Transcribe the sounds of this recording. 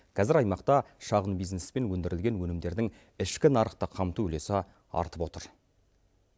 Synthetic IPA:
kʲʰæzɪɾɑjmɑqt̪ɑʃɑʁənbijznespe̞nwɵnd̪ɪɾɪlɡʲe̞nwɵnɪmd̪e̞ɾd̪ɪŋ | ɪʃkʲɪnɑɾəqt̪əqʰɑmt̪uʏle̞sɪ | ɑ̰ɾt̪əpwo̞t̪əɾ

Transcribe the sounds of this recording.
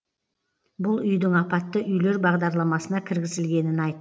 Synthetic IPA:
bʊlˠʏjd̪ɪŋɑpɑt̪ːəʔʏjle̞ɾbɑʁd̪ɑɾlˠɑmɑsənɑkʲʰɪɾɡʲɪzɪlɡʲe̞nɪnɑjt̪ː

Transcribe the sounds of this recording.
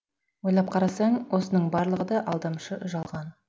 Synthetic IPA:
wo̞jlˠɑp̚qʰɑɾɑsɑɴwo̞sənəɴbɑɾlˠəʁəd̪ɑʔɑlˠd̪ɑmʃəʔʊʒɑlˠʁɑn

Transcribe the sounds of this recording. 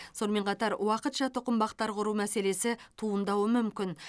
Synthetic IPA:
so̞nme̞ɴqʰɑt̪ɑɾwɑqət̪ʃɑt̪ʰʊqəmbɑqt̪ɑɾqʰʊɾumæse̞le̞sɪt̪ʰuənd̪ɑwəmʏmkʲɪn

